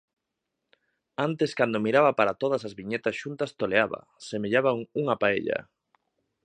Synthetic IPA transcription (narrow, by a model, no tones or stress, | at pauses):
ant̪eskand̪omiɾaβɐpaɾat̪oðɐsazβiɲet̪asʃunt̪ɐst̪oleaβɐ̰ | semeʎaβaŋuŋapaḛʎɐ̰